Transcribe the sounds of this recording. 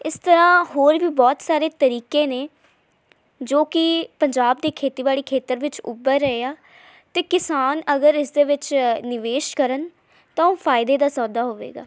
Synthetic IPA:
ɪst̪əɾãːhoːɾʋiːbɔːt̪saːɾeːt̪əɾiːkeːneː | d͡ʒoːkɪpəɲd͡ʒaːb̚d̪eːkʰeːt̪iːʋaːɭiːkʰeːt̪əɾʋɪt͡ʃʊ̰bəɾːəeːaː | t̪eːkɪsaːnəɡəɾɪsd̪eːʋɪt͡ʃnɪʋeːʃkəɾən | t̪ãːoːfʰaːɪd̪eːd̪aːsɔːd̪aːɦoːʋḛːɡa̰ː

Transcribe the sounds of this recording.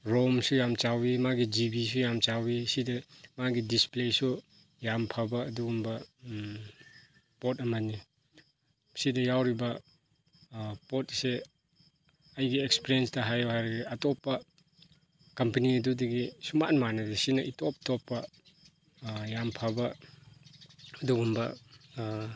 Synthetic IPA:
ɾomsujamt͡ʃawimaɡid͡ʒibis̬ujamt͡ʃawisidɐmaɡidisplesu | jampʰabɐːduɡumbɐ | potɐmɐnːi | sidɐjawɾibɐ | pot̚se | ɐjɡiekspiɾiensdɐɦajɔɦajɾɐɡiatɔpːɐ | kɐmpɐniɐdudɐɡisumanmanɐdesinɐʔitop̚topːɐ | jampʰabɐ | ɐduɡumbɐ

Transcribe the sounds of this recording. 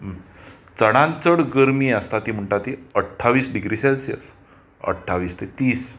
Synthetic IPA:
t͡səɽãnt͡səɽɡəɾmiːəst̪at̪iːm̤əɳʈat̪iəʈʰːaʋiːsɖiɡɾisɛlsiə̰s | ə̰ʈʰːaʋiːst̪et̪iːs

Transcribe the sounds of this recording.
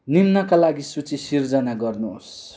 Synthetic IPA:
nimnʌkalaɡisut͡sisird͡zʌnaɡʌrnuo̰s

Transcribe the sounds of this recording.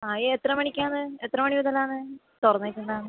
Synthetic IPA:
aːeet̪rɐmɐɳikʲːaːnɨet̪ːrɐmɐɳiʋɐd̪ɐlaːnɨ | t̪orɐnːaːjkʲːuɳɖaːnɨ

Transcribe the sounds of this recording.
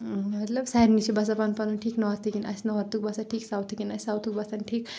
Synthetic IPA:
mɐt̪lɐbsaiɾnit͡ʃibɐs̬apanpɐnunʈʰiːknɔɦɔɾt̪ʰikinɐ̰snɔɦɐɾt̪uk̚bɐsaʈʰiːksawt̪ʰikinɐssawt̪ʰuk̚bɐsɐnʈʰiːk

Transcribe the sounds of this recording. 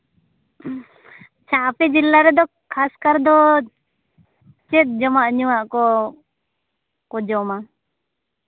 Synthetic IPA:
t͡ʃʰapɛd͡ʒilːaɾɛd̪ɔ | kʰaskaɾd̪ɔ | t͡ʃɛt̪̚d͡ʒɔmaʔɲuwaʔkɔ | kɔd͡ʒɔma

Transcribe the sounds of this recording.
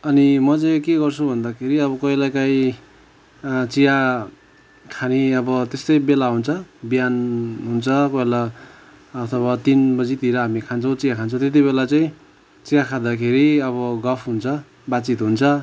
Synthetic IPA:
ʌnimʌt͡sajkeɡʌrt͡sʰubʱʌnd̪akʰeɾiʌβʌkʌilajkaĩ | t͡sija | kʰaniʌbʌt̪est̪ʌjbelaɦunt͡sʰʌbijanɦunt͡sʰʌkʌelaː | t̪ʰʌbat̪inbʌd͡zit̪iɾʌɦamikʰant͡sʰʌw̃t͡sijakʰant͡sʰʌ̃w̃t̪et̪̬ibelat͡saĩ | t͡sijakʰad̪akʰeɾiʌβʌɡʌpʰɦunt͡sʰʌ | bat͡sit̪ɦunt͡sʰʌ

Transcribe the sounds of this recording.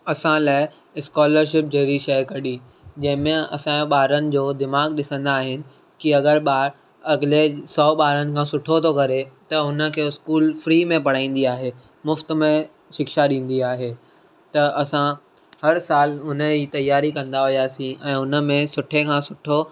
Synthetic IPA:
ɐsãlaːɪ | ɪskɔːləɾʃɪp̚d͡ʑɐɾiʃɐjkɐɗi | d͡ʑɐ̃ɦɪ̃mẽɐ̰sãɓaːɾənɪ̆d͡ʑoːd̪ɪmaːɡɗɪsə̃nd̪aːɦɪnɪ̆ | kiɐɡəɾɓaːɾ | ɐɡlesɔːɓaːɾənɪ̆kʰãːsʊʈʰot̪ʰokɐɾet̪ɐʊnə̆kʰeːɪskuːlfɾiːmẽpɐɽ̤aːĩːn̆d̪iaːɦe | mʊft̪̆mẽ | ʃɪkʃaɗĩːn̆d̪iaːɦeː | t̪ɐɐsã | hɐɾsaːlʊnəit̪ɐjːaːɾikɐ̃nd̪aɦʊjaːsĩʔɛ̃ːʊnə̆mẽsʊʈʰekʰãːsʊʈʰo

